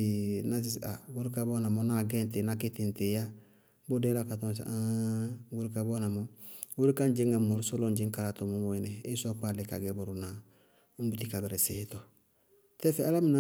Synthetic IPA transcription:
na˦si˦sa˨ɡu˦ɾka˨bɔ˦na˨mɔ˨˦na˦˨ɡɛ˦n˦te˨na˦kɪ˦tɪ˨n˨te˨ja˦ | bo˦dɛ˦la˦ka˨tɔ˦s̬a˦ɡu˦ɾka˨bɔ˦na˨mɔ˦u˦ɾi˦ka˦n˦d͡ʒɪ˦ŋa˨mo˨ɾso˦lɔ˦nd͡ʒɪ˦ŋka˨ɾa˨tɔ˨mo˨mo˨i˨nɛ˨ɪ˦sɔ˦ka˦˨lɪ˨ka̰˨ɡɛ˦bo˨ɾu˨na˨˦ | m˦bu˦ti˦ka˨bɛ˨ɾɛ˨sɪ˨htɔ˨ | tɛ˦fɛ˦a˦la˦mi˦na˦

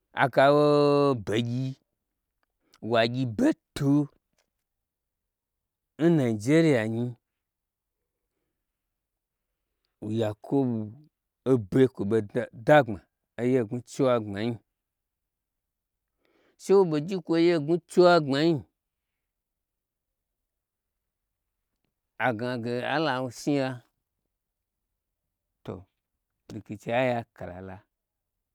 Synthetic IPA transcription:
a̰˨ka˧wo˦be˨ɡʲi˧ | wa˨ɡʲi˧be˦to˧˦ | n̩˦na˨i˨d͡ʒe˦ɾi˦ja˨ɲi˧ | u˨ja˨kʰo˦bu˨ | o˦be˧kʷo˨be˧˦da˦ŋ͡ma˨ | e˦je˦˨ɡu˧t͡ʃe˦wa˧ŋ͡ma˨ɲi˧ | ʃe˦wo˦be˧d͡ʒi˦kʷo˧˦je˦˨ɡu˦t͡ʃe˦wa˦ŋ͡ma˨ji˦ | a˨ɡa˨ɡe˨a̰˦la˨wu˧si˦ja˧ | to̰˨ | di˨ki˨t͡ʃe˧a˦ja˧ka˨la̰˨la˧

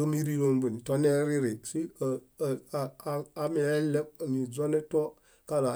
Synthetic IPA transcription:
ə˦mi˦ɾi˦ɾo˦mbu˨ni˨to˦ne˦ɾi˦ɾi˨si˦˨˦ | a˦me˨e˦le˦b̚ni˨d͡ʒo˦ne˦to˦ | ka˦la˨

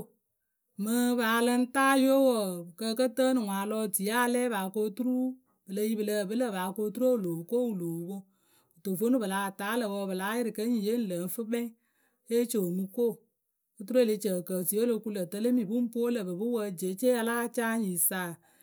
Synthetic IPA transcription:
mɨ˨baː˨lɨ˦n˦taː˦jo˦wɔ˨kə˧kə˦təː˦nɨ˨ŋʷaː˨lɔ˦ti˨˦a˦˨˦lɛː˦βaː˨ko˦tu˦ɾu˦ | bɨ˨lə˨˦ji˦bɨ˨lə˨bɨ˦lə˦˨baː˨˦ko˦tu˦ɾo˦˨lo˨ko˦˨wu˨lo˨˦ko˦ | o˨to˨fo˦nu˦bɨ˨la˨taː˨˦lə˨wɔː˧˨bɨ˨la˨˦jɪ˦ɾɨ˨kə˦ɲ˨je˦n̩˦lə˨n˦fɨ˦bɛ˦ŋ | e˦t͡ʃo˨mɨ˦ko˦˨ | o˨˦tu˦ɾu˦e˦le˧t͡ʃə˨kə˨ti˨˦o˦lo˧˨ku˦lə˨tə˦le˦mi˨bu˦m̩˦po˦lə˨bɨ˨bɨ˦wə˦d͡ʒe˨˦t͡ʃe˦a˧laː˦t͡ʃaː˦ji˨saː˨˦˨

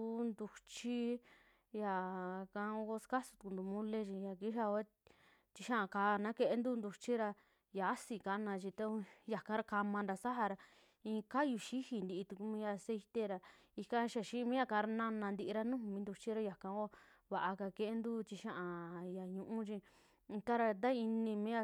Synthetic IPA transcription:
nd̪u˧t͡ʃi˦ | ja˨kã˧˦˧o˧ko˦ska˦su̥˧t̪u˧knd̪u˧mũ˦le˦t͡ʃĩ˧ja˧˨ki˦ʃa˧o˧e˦ | t͡ʃ̪i˧ʃã˦ʔã˧kaː˧nã˦ke˧e˦nd̪u˦nd̪u˧t͡ʃi˦ɾa˧ | ja˨a˦si˧ka˧nã˧t͡ʃĩ˧t̪a˦ja˨kã˦ɾa˧ka˧mã˧nda˧sa˦ɦa˧ɾa˧ | ĩː˧ka˦ju˧ʃi˦hi˧nd̪i˧ʔt̪u˧ku˧mĩ˧ja˧se˧i˧t̪e˦ɾa˧ | i˧kã˧˦˧ʃa˧˨ʃi˦˧mĩ˦ja˧ka˧˦˧ɾa˧nã˧nã˧nd̪i˧ʔi˧ɾa˦nũ˦˧mĩ˦nd̪u˧t͡ʃi˦ɾa˧ja˨kã˧o˦ | βa˨ʔa˧ka˧ke˧ʔe˦nd̪u˦t͡ʃi˧ʃã˦ʔã˨ja˨ɲũ˧ʔũ˦t͡ʃĩ˧ | t̪a˦ɾa˧d̪a˦i˧nĩ˧mĩ˦a˧

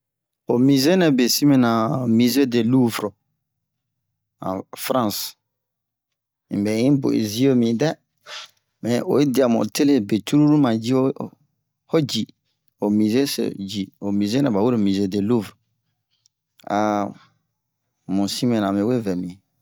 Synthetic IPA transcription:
o˨mi˨ze˦nɛ̃˨be˨si˦me˨nã˨mi˨ze˦de˨lu˦vɾɔ˨ | ã̰˨fɾã˦˨s | ḭ̃˨bɛ˨ĩ˦bo̰˨ḛ˨zi˦o˦mĩ˨dɛ˦ | mɛ̃˨o̰˨e˦di˨a˨mɔ̰˨tʰe˦le˦˨be˨tu˦ɾu˦ɾu˦mã˨d͡ʒi˦o˦ | hɔ˦d͡ʒi˨ | o˨mĩ˨ze˦sḛ˨d͡ʒi˨o˨mĩ˨ze˦nɛ̃˨ba˨wu˦ɾe˦˨mi˨ze˦de˨lu˦vɾɔ˨ | a˨ | mũ˨si˦mɛ̃˨nã˨mẽ˨we˦vɛ˨mĩ˨

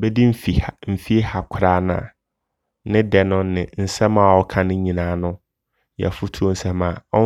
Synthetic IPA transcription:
bɛ˦di˦m̩˦fi˨m̩˨fi˦e˦ha˨kʰɾaː˦nã̰˨ | nɪ̃˦dɛ˨nʊ̃˦nɪ̃˨n̩˨sɛ˦mãː˨wɔ˦kʰã˦˨nɪ̃˦ɲĩ˨nãː˨˦nʊ̃˦ | jɛ̰˨fu˦tʰu˦o˦n̩˨sɛ˦mã˨ɔ˦

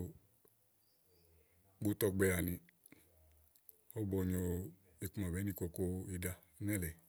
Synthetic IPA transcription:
ɡ͡bo˨˦tɔ˧ɡ͡bɛ˧ɾa˨nĩ˧ | o˦bɔ˧ɲo˧ | e˨ku˦ma˨bɛ˨˦ni˦˧˨ko˧ko˧i˧da˧˦nɛ˦lɛ˨

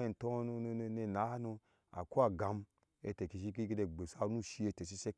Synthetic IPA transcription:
e˨n̩˨to˦n˧ne˧˨na˨˦nu˧ | a̰˨ku˦a˨ɡa˨m | ḛ˧te˨ki˧ʃi˧˦ki˦ɡe˧de˧ɡ͡be˨sa˧nu˦ʃi˧e˧te˨s̬i˦se˦

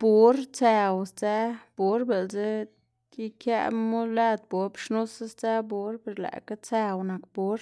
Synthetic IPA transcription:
bu˦ɾt͡sæ˧wst͡sa˦b̥u˦ɾbe˨lze˦ | i˦kja̰˦mu˦la˦d̪̚bo˨˦bʃnu˦sa˦st͡sa˦bu˨˦ɾpe˨ɾla̰˨ka˦t͡sæ˧wna˨kbu˨˦ɾ

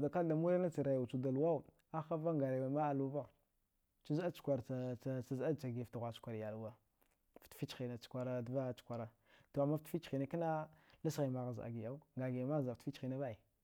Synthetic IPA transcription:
da˨ka˦da˨mu˦ɾa˦na˦t͡si˨ɾa˨ja˨t͡ʃu˨da˨lwa˦u˨ | a˦xa˦va˦ŋɡa˨ma˦a˨lu˦va˦˨ | t͡ʃu˦za˦t͡ʃu̥˨kʷa˨ɾa˦t͡sa˦za˦t͡ʃa˨ɡe˨fti˨ɣʷa˨t͡ʃu̥˦a˨ɾja˨lu˨wa˦ | ftfi˦t͡ʃi˨na˨t͡ʃkʷa˨ɾa˨dva˦t͡ʃu̥˦kʷa˨ɾa˨ | to˨a˨mːa˦ftfi˦t͡ʃxi˨na˨ki˦na˦la˦sɣi˨ma˨ɣa˨za̰˨ɡi˨ja˦u˦ŋɡa˨ɡi˨ma˦˨za˨ffi˦t͡ʃi˨na˦va˦i˨

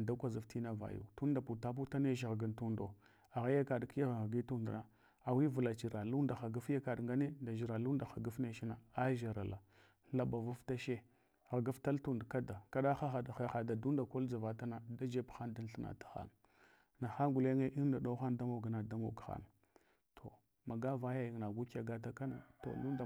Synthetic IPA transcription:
da˦kʷa˨zu˨fti˦na˦va̰˨jṵ˨tu˦n˦da˨pu˨ta˦p̬u˦ta˦ne˦ʃ̬ɣa˨ɡa˨ntu˦ndo˨ | a˨ɣa˦ja˦ka˨ɗki˦ja˦ɣɣa˨ɡi˦tu˦ndna˨ | a˨wi˦vu˨la˨t͡ʃi˨ɾa˨lu˦nda˨xa˨ɡa˦fja˦ka˨ɗŋɡa˦ne˦nda˨ʒi˨ɾa˨lu˦nda˨xa˨ɡa˦fne˦ʃi˦na˨a˦ʒa˨ɾa˨la˨ | la˨ba˨vu˦fta˦ʃe˦ | ɣa˨ɡa˦fta˦ltu˦ndka˦da˨ka˦ɗa˦xa˦xa˨dxa˦xa˨da˨du˦nda˨ko˦ld͡za˨va˨ta˦na˨da˦d͡ʒe˦pxa˦nda˦n˦ɬa˦na̰˨tḁ˨xa̰˦n˨ | na˨xa˦ɡu˨le˦ŋe˦ʔi˦da˨ɗa˦xa˦nda˦mo˨ɡa˨na˨da˦mo̰˨ɡxa̰˦˨n˨ | tʰo˨ | ma˨ɡa˦va˦ja˦ji˨ŋna˨ɡu˦ka˨ɡa˦t̬a˦ka˦na̰˨to̰˨lu˦nda˨

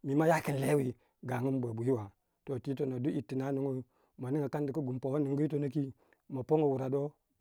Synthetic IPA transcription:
mi˨ma˦ja˦ki˨n˨le˦wi˦ | ɡa˨ŋu˦m˦bʷe˨bu˨ji˦wa˨ | to˨ti˦to˨na˨du˦ʔi˨tːi˨na˦no˦ŋo˦ | ma˨ni˦ŋa˨ka˦ndi˨ku˦ɡu˨mpo˨wa˦nu˨ŋɡu˦to˦no˦ki˦ | ma˨po˦ŋo˦˨wu˨ɾa˨do˦

